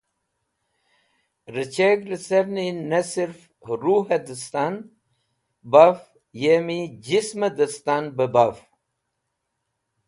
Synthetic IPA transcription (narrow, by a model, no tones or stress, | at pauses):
ɾət͡ɕeɡləsevninɐsiɾf | ɾuːɦɐd̪əst̪an | baf | jemid͡ʑismɐd̪əst̪aːnbəbaf